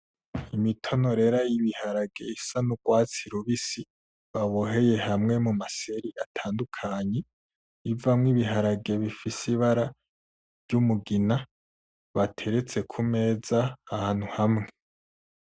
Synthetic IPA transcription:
imitʰo̞no̞ɾe̞ːɾajiβihaɾaɡe̞isanuɡwaːt͡siɾuβisi | βaβoɦe̞je̞hamŋe̞mumase̞ɾiʔatʰaːndukʰaɲe̞ | ivamŋiβiɦaɾaɡe̞βifisiβaɾa | vɟumuɡina | βatʰe̞ɾe̞t͡se̞kʰume̞ːzaːhaːn̥huhamŋe̞

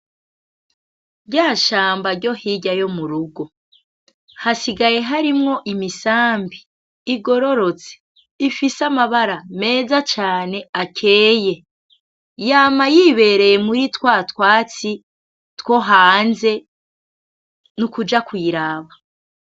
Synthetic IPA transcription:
ɾɟaːʃaːmbaɾɟo̞hiɟajo̞muɾuɡo̞ | hasiɡaje̞ɦaɾimŋo̞ʔimisaːmbiː | ɡo̞ɾo̞ɾo̞t͡se̥ | ifisamaβaɾame̞ːzat͡ʃaːne̞akʰe̞ːje̞ | jaːmajiːβe̞ɾe̞je̞muɾitwaːtwaːt͡si | two̞ɦaːnze̞ | nukud͡ʒakwiːɾaːβa

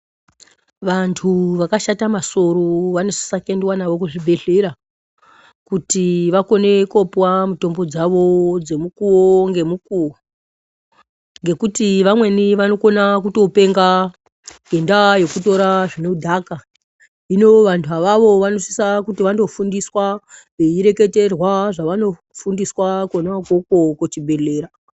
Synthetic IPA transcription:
ʋantʰuʋakaʃatamaso̞ɾoʋano̞si̥sakendwanaʋo̞kuʐibʱe̞ɬeɾa | kutiʋako̞ne̞ko̞pwamuto̞mbo̞d͡zaʋo̞d͡ze̞mukuoŋɡe̞mukuwo | ŋɡe̞kutiʋamwe̞niʋano̞ko̞nakuto̞pe̞ŋɡa | ɡendajo̞kuto̞ɾaʐinoudʱaka | ino̞ʋantʰuɦaʋaʋo̞ʋanosi̥sakutiʋando̞fundiswaʐeiɾe̞ke̞te̞rwaʐaʋano̞ | fundiswakonakokokot͡ʃibʱe̞le̞ːɾa

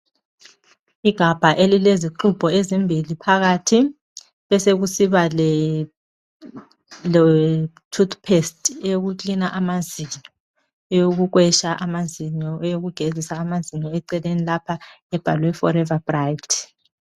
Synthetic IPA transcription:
iɡ̥ʱab̥ʱaʔelileziǃub̥ʱɔezimbʱilipʰaɣatʰi | βɛseɣusiβalɛ | l | tʰut̪ʰʼpʰestʰʼeoɣut͡ɬinaʔamaziɲɔ | ɛjoɣuɣwɛʃaʔamaziɲɔjoɣuɡ̥ʱezisaːmaziɲɔɛǀɛlenilapʰaɛb̥ʱalwɛfɔɾɛvab̥rajtʰ

